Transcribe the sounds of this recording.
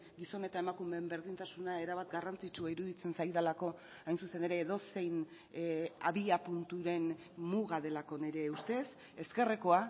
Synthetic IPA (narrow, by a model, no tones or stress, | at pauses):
ɡiso̞ne̞t̪ae̞makume̞ːmbeɾðint̪asunae̞ɾaβat̪ɡarant͡sit͡ʃuaiɾuðit͡se̞nsajðalako̞ | ajnsuse̞ne̞ɾe̞ːðo̞se̞jn | aβiapunt̪uɾe̞n | muɣaðe̞lako̞ne̞ɾe̞ust̪e̞s | e̞ske̞reko̞a